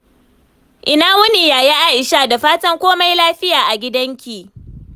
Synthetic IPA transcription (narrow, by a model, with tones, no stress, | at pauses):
ʔɪ˨naː˦wʊ˦ni˨jaː˨ji˦ʔa˦ʔɪ˨ʃaː˦˨da˨ɸaː˦tɐ˦ŋkʷoː˦ma˦jlaː˦ɸɪ˦jaː˨ʔa˨ɡʲɪ˦dɐ˦ŋkʲiː˨